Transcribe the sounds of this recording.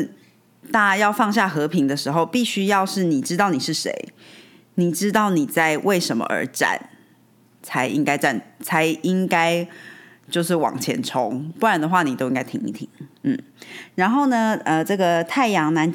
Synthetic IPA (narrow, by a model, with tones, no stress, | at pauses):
t̪a˥˧˥jɑ˥˧ʊfɑ˥˧ŋɕ̬ja˥˩xɤ˧˥pʰi˧˥ŋd̪ə˧ʂɻ̩˧˥xo˥˧ʊpi˥˨˩ɕy˥jɑ˥˧ʊʂɻ̩˥˩ni˨˩ʈ͡ʂɻ̩˥t̪ɑ˥˩ʊni˨˩ʂɻ̩˥˩ʂḛ˧˥˦ɪ | ni˨˩ʈ͡ʂɻ̩˥t̪ɑ˥˩ʊni˨˩t͡sa˥˧ɪwʔe˥˩ɪʂə˧˥nmə̰˧ʔə̰˞˧˥ʈ͡ʂa̰˥˨˩n | t͡sʰa˧˥ɪʔḭ˥ŋka˥ɪʈ͡ʂa˥˩nt͡sʰa˧˥ɪi˦˥ŋka˥ɪ | t͡ɕjo˥˧ʊʂɻ̩˥˩wɑ̰˨˩ŋt͡ɕʰjɛ̰˧˥nʈ͡ʂʰo˧˦ŋpu˥˩ɻa˨˥nd̪ə˩xwa˥˩ni˨˩t̪o˥ʊĩ˥ŋka˥ɪt̪ʰi˧˩ŋḭ˧˩t̪ʰi˨˩ŋn̩˥˩ɻa˧˥nxo˥˩ʊnə˧ə˧ʈ͡ʂɤ˥˩ɡə˨t̪ʰa˥˩ɪjɑ˧˥ŋna˧˥n